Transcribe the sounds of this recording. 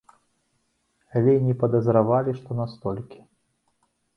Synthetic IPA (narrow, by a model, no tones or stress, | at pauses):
alʲɛinʲɛpɐd̪ɐzɾavalʲiʂt̪ɔnast̪ɔlʲkʲi̥